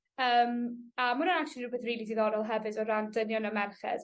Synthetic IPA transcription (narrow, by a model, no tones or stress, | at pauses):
əːmamʊnənak̚t͡ʃlˠiruːbɛθriːlˠidiðɔɾɔlˠɦɛvɨdɔɾandənjɔnɔmɛrχɛ̰ð̥